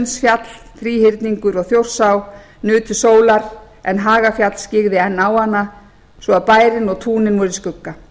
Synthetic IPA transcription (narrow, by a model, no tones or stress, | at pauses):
nsfjat̪l̥ | θɾiːhɪɾt̪niŋkʏɾɔɣθjowr̥saw | nʏːt̪ʏsoːwlaɾ | ɛnɦaːɣafjat̪l̥scɪɣðɪɛnːawhanːa | svɔaðpaːjɾɪnɔɣt̪ʰuːnɪnvɔɾɪskʏkːa